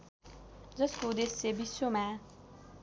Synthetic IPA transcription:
d͡zʌskod̪esebisːoma

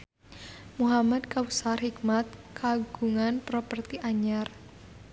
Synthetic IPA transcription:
muɦamad̪kawsarɦikmat̪̚kʰaɡuŋanpɾopərt̪iʔaɲar

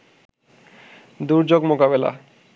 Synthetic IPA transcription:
d̪uɾd͡ʑoɡmokabela̰

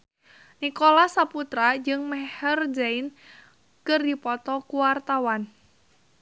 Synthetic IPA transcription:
nikolasaput̪ɾad͡ʒɨŋmɛhərd͡ʒaɪn | kɨrdipɔt̪ɔkuwart̪awan

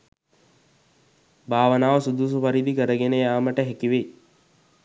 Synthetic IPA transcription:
bʱaːʋənaːʋəsud̪uːs̬upaɾid̪ikəɾəɡenəjaːməʈəɦekiʋe

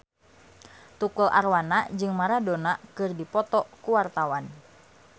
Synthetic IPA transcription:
t̪ukulʔa̰rwanad͡ʒɨŋmaɾadɔnakɨrdipɔt̪ɔkuwart̪awan

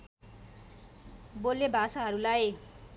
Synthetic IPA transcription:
bolːebʱasaɦʌɾulaj

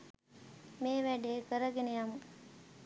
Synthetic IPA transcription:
meːʋæɖeːkəɾəɡenejamu

